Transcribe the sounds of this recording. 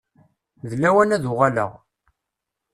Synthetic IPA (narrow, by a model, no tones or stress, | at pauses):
ðəlːæwænæðuʁalə̰ʁ